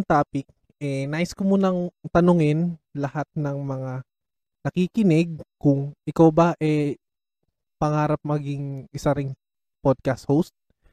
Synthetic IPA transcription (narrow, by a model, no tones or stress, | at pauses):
ŋt̪aːpɪk̚ | ʔɛnaːʔɪskomuːnɐŋt̪ɐnoŋɪnlɐhat̪̚nɐŋmɐŋa | nɐkikɪnɛɡ̚kʊŋʔɪkawbɐʔɛ | pɐŋaːɾɐp̚mɐɡiŋʔɪsaɾɪŋ | pod̪̚kɐst̪howst̪̚